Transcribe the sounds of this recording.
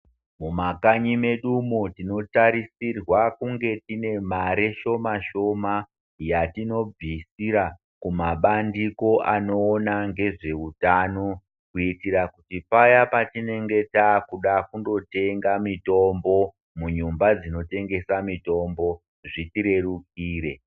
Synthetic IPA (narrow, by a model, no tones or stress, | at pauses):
mumakaɲime̞ɗumotino̞taɾisirwakuŋɡe̞tine̞maɾeʃo̞maʃo̞ma | jatino̞b͡visiɾa | kumaɓandiko̞ʔano̞ːnaŋɡe̞ʐe̞utaːno | kuitiɾakutipajapatine̞ŋɡe̞takuɗakundo̞te̞ŋɡamito̞mbo̞ | muɲumbad͡zino̞te̞ŋɡe̞samito̞mbo̞ | ʐitiɾe̞rukiːɾe̞̰